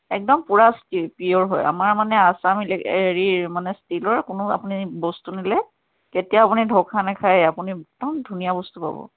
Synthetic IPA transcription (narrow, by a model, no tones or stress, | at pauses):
ɛk̚dɔmpuɹastipijɔɹɦɔ̰ja̰maɹmanɛasamilɛɹiɹmanɛstilɔɹkʊnʊa̰punibɔstunilɛ | ketijaːpunidʱɔkʰanɛkʰajapunitɔndʱunijabɔstupa̰bɔ̰